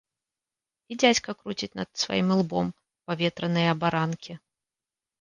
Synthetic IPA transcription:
id͡zʲat͡sʲkɐkɾut͡sʲit͡sʲnɐ̰d̪sva̰jimɨlˠbɔm | pavʲɛt̪ɾɐnɨjɐːbaɾankʲʰi

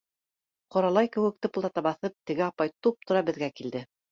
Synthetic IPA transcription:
qŏɾɑlˠɑjkɘ̆wɘ̆k̚t̪ɘpolˠd̪ɑt̪ɑbɑθɤp̚t̪ɘ̆ɡɘɑpɑjt̪up̚t̪ŏɾɑbɘ̆ðɡækild̪ɘ

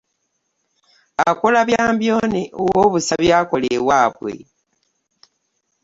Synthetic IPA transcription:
akolaβjaːmbjo̞ːneowoβusaβjaːko̞lewaːβwe̞̰

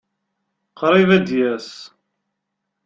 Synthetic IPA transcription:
qɾˤivæd̪jæs

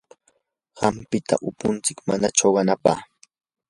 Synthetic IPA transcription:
ɢɑmpɪt̪ʰa̰ʔʊpʊnt͡sɪkmanaʈ͡ʂoɢɑnapa̰χ

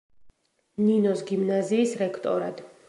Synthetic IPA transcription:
ninɔsɡimnaziːsɾɛkʰt̪ʼɔɾa̰d̪̥

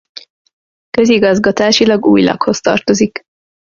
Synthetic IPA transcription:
kø̞ziɡɒzɡɒt̪aːʃilɒɡuːjlɒ̰kho̞st̪ɒ̰rt̪o̞zik

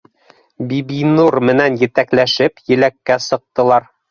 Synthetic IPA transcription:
bibinurmɘ̆nænjɘ̆t̪æklæʃɘpjɘ̆lækːæsɤ̆q̚t̪ɤ̆lˠɑɾ

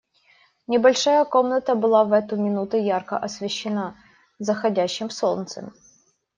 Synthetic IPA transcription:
nʲɪbɐlʲʂajəko̞mnət̪əbɨlˠavɛt̪ʊmʲɪnut̪ʊjarkə̰ʔɐsvʲɪɕːɪna | zəxɐdʲæɕːɪmsolˠnt̪sə̰m

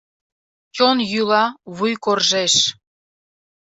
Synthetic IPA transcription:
konjylɑβujkorʒeʃ

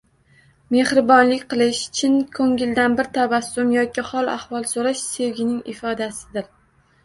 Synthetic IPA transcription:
me̞hɾɪbɒnlɪkʲqɨlˠɪʃt͡ʃʰɪnkʰɵŋʲɪld̪anbɪɾt̪ʰabasːʊmjɒkʲɪhɒlˠa̰hwɒlˠsoɾaʃse̞wɡʲɪnɪŋɪfɒd̪asɪ̥d̪ɪɾ

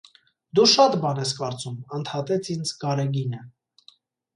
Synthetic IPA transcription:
d̪uʃɑt̪bɑnɛskɑɾt͡sumənt̪ʰhɑt̪ɛt͡sʰind͡zkɑɾɛɡinə

